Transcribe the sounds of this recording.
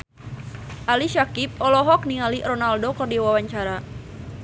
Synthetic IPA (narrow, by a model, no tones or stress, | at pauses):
ʔaliʃakip̚ɔlɔɦɔk̚niŋalirɔnaldokɨrdiwawaɲt͡ʃaɾa